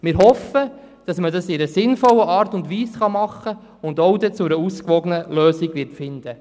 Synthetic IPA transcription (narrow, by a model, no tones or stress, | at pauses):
mɪːɾɦɔfə | d̥ɑsmədɑsɪɾəsɪnfɔləʔɑːɾtʊndʋiːsχɑmɑχːə | ʊnd̪ɔwd̪ɛt͡sʊɾəuskʋɔɡənəløːsiɡ̥ʋɪtfɪnd̥̪ə